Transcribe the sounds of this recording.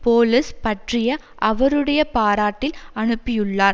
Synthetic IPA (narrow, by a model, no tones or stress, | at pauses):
poːlɪspɐʈrɪjɐ | ʔɐʋɐɾɯɽɐjɐpaːɾaːʈːɪlɐɳɯpːɪjɯɭːaːɾ